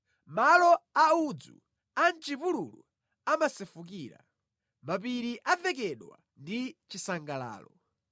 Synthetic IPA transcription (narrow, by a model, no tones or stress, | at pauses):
malɔaud͡zṵ | ant͡ʃipulṵlṵ | amasɛfuk̬iːɾa̰ | map̬iɾiʔavɛk̬ɛɗwa̰ | ndit͡ʃisaŋɡala̰ːlɔ